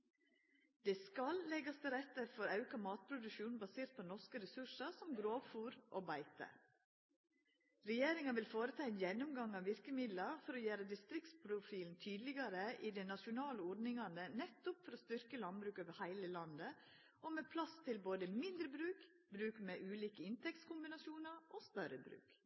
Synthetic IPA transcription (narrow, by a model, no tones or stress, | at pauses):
d̪ɛːskɑllɛɡɑst̪ʰɪlɾɛt̪ːəfɔɾɑʉkɑmɑːt̪̚pʰɾʊd̪ʉʃuːnbɑseːɾt̪̚pʰonɔʂkəɾɛsʉʂɑsɔmɡɾoːʋfuːɾʔoːbæɪt̪ə̰ | ɾɛjeːɾɪŋɑʋɪlfoːɾət̪ʰɑːɛnjɛnʊmɡɑŋɑːʋʋɪɾkəmɪd̪lɑɾfɔɾɔjæɾəd̪ɪst̪ɾɪkt̪spʰɾʊfiːln̩t̪ʰyːd̪əlɪɡɑɾəʔɪd̪ɛnɑʂʊnɑːləɔɖnɪŋɑnənɛt̪ːʊpfɔɾɔst̪ʏɾkəlɑnbɾʉːkøːʋəhæɪləlɑnd̪ə | ʔoːmeːpʰlɑst̪ʰɪlboːd̪əmɪnd̪ɾəbɾʉːk | bɾʉːkmeːʔʉːliːkəɪnt̪ʰɛk̚t̪skʰʊmbɪnɑsjuːnɑɾʔoːst̪œɾəbɾʉ̰ːk